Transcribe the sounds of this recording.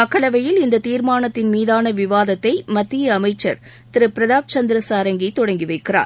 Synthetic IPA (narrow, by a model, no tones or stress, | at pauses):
ɐkːɐɭɐʋɐjɪlɪnd̪ɐt̪iːɾmaːnɐt̪ːɪnmiːðaːnɐʋɪʋaːðɐt̪ːɐɪmɐt̪ːɪjɐːmɐɪt͡ʃːɐɾ | t̪ɪɾɯpɪɾɐðaːp̚t͡ʃɐnd̪ɪɾɐsaːɾɐŋɡit̪ɔɽɐŋɡɪʋɐɪkːɪra̰ːɾ